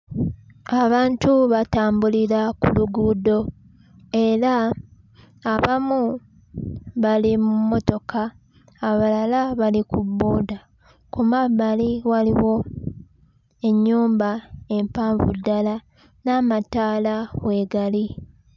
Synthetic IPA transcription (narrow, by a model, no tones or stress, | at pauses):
aβaːntuβataːmbuliɾakuluɡuːdo̞ | e̞ɾaː | βamu | βalimumo̞to̞kʰaː | βalalaβalikubːoːda | kumabaliwaliwo̞ | e̞ɲːuːmbae̞mpaːɱvṵdːala | namataːlawe̞ɡali